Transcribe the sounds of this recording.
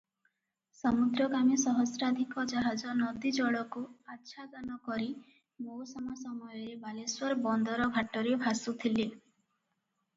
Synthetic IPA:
sɔmud̪ɾɔɡamisɔɦɔsɾad̪ʱikɔd͡ʒaɦad͡ʒɔnɔd̪id͡ʒɔɭɔkuatːʃʰad̪anɔkɔɾi | mowsɔmɔsɔmɔjɔɾebaleswɔɾbɔnd̪ɔɾɔbʱaʈɔɾebʱasut̪ʰile

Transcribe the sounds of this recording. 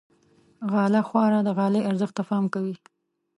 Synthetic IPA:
ɣɑlaxwɑɾad̪əɣɑlejʔaɾzəxt̪ːafɑmkawi

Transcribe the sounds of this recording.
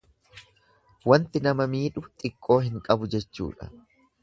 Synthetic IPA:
wɐnt̪ɪnɐmɐmiːᶑʊt̪ʼɪkʼːo̞ːɦɪŋkʼɐbʊd͡ʒɛt͡ʃːṵːᶑɐ̰

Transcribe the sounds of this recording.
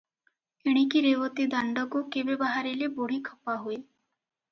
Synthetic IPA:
eɽ̃ikiɾeʋɔt̪id̪aɳɖɔkukebebaɦaɾileboɽ̤ikʰɔpaɦui

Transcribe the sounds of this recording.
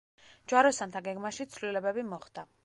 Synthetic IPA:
d͡ʒwaɾɔsant̪ʰaɡɛɡmaʃit̪sʰvlilɛbɛbimɔχd̪a

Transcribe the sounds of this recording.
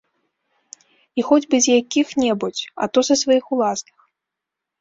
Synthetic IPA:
ixɔd͡zʲbɨzʲjakʲixnʲɛbut͡sʲɐ̰t̪ɔsɐsvajixulˠasnɨx

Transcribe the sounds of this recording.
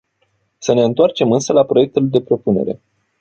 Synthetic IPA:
səne̞ɨnt̪oart͡ʃe̞mɨnsəlapɾo̞je̞k̚t̪uld̪e̞pɾo̞pune̞̰ɾe̞̰

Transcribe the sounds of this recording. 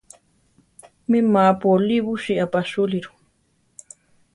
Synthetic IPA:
mimapoliβuʃiapaʃuliɾu̥

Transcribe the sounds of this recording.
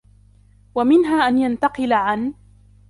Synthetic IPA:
wamɪnɦaːʔanjant̪ɑqɨlaʕan

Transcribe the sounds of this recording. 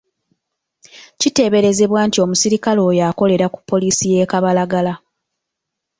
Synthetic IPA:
cite̞ːβe̞ɾe̞ze̞βwaːntio̞musiɾikalo̞ːjako̞le̞ɾaku̥pʰːo̞liːsije̞ːkaβalaɡala

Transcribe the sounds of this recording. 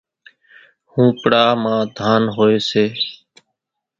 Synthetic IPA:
hũːpɽaːmãːd̪ʱaːnɦoːeːseː

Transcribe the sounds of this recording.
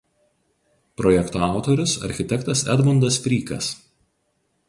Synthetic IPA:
pɾɔjɛkt̪oɑˑʊt̪oɾʲʊsɐ̰ɾʲxʲɪt̪ʲɛkt̪ɐsɛ̰d̪mɔnd̪ɐspʲɾʲiːkɐ̰s

